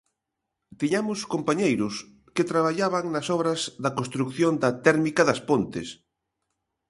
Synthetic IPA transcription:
t̪iɲamʊskompaɲejɾʊs | ket̪ɾaβ̞aʎaβaŋnɐsɔβɾɐzðɐkonst̪ɾukθjond̪ɐt̪ɛɾmikɐðɐspont̪ɪ̰s

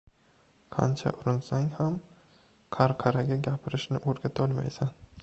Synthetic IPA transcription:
qʰɑ̰nt͡ʃʰa̰ʔʊɾɪnsaŋham | qʰaɾqʰɑɾaɡʲaɡʲapʰɪɾɪʃnɪʔoɾɡʲat̪ʰɒlˠma̰jsan

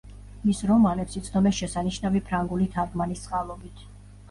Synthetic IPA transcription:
misɾɔmanɛpsit̪sʰd̪ɔmɛsʃɛsaniʃnavipʰɾaŋɡulit̪ʰaɾɡmanist̪sʼqʼalˠɔbit̪ʰ

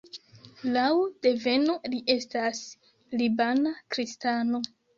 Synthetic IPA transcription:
lawd̥e̞ve̞noliʔe̞stas | libanakɾistano̞

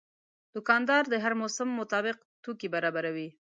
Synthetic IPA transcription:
d̪̥ʊkɑnd̪ɑɾd̪əɦaɾmosamːʊt̪ɑbɪq | t̪ukibaɾɑbaɾawi

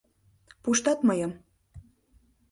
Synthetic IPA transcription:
puʃt̪ɑt̪mɤjɤm

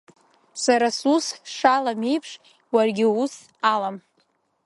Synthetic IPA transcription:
saɾasusʂalame̞jpʰʂ | warɡʲɪus | alam

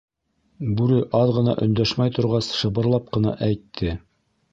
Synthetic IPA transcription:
bʉɾɘʔɑðʁɤ̆nɑ̰ʔɵ̆nd̪æʃmæjt̪ŏɾʁɑsʃɤ̆βɤ̆ɾlˠɑp̚qɤ̆nɑ̰ʔæjt̪ʰːɘ

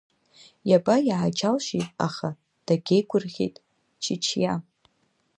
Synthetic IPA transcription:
jabajaʕad͡ʒalʃijtʼa̰χa | d̥aɡʲejɡʷʊrχʲḛjtʼ | t͡ʃʰɪt͡ʃʰja

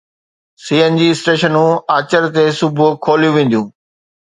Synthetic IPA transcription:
siːənd͡ʑiːɪsʈeːʃənũaːt͡ɕəɾt̪esʊbʱʊkʰoːlijũʋẽːn̆d̪ijũː

